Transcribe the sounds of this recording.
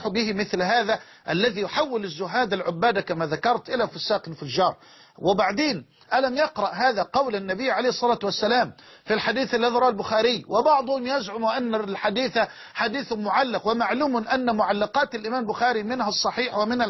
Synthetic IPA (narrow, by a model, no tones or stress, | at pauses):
ħʊbɪhɪmɪθlɦaːða | ʔalːaðiːjʊħawːɪlɪzːʊɦaːd̪alʕʊbːaːd̪akamaðakɑɾˤt̪ʔɪlafʊsːaːqɪnfʊʒːɑːɾˤ | wɪbaʕd̪eːn | ʔalamjɑqɾɑʔɦaːðaqɑwlanːabɪjːʕalejːhɨsˤːɑlaːt̪wasːalaːmfilħad̪iːθalːaðiɾˤɑːalbʊxaːɾɪjːwɪbɑʕd̪ˤʊhʊmjazʕʊmuʔanːalħad̪iːθa | ħad̪iːθʊmːʊʕalːɪqwɪmaʕluːmʔanːmʊʕalːɑqɑːt̪alʔɪmaːmbʊxaːɾimɪnhasˤːɑħiːħwamɪna